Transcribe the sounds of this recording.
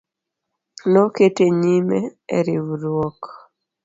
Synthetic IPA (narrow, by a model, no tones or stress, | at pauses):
noketeɲimeḛɾiwɾwɔk